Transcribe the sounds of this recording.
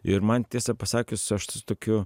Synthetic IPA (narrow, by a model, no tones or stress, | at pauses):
ɪɾmɐnt̪ʲiɛsɐpɐsɑːkʲʊssʊɐʃt̪ʲʊt̪oːkʲʊ